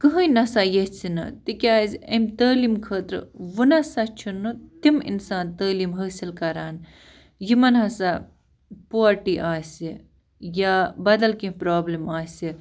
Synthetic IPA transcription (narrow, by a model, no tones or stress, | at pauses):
kɨɦə̃jnɐsajet͡sʰinɐ̰t̪ikʲaːzʲɐmt̪əːlimkʰəːt̪ɾɨ̰ʋunɐsɐt͡ʃʰunːut̪imḭnsãːnt̪əːlimɦəːsilkɐɾaːn | jimɐnɦɐsa | poːɐɾʈiʔaːsi | jaːbɐd̪ɐlkĩpɾaːblimaːsʲi